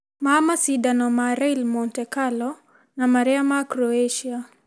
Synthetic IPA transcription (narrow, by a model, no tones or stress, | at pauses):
mamasidanɔmaɾɛlmɔntɛkalɔ | namaɾɛamakɾɔeʃia